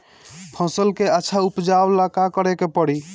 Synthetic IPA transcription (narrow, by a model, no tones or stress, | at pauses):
pʰɔ̃səlkeəːʃʰaupd͡ʒawlakakɔɾɛkepɔɽi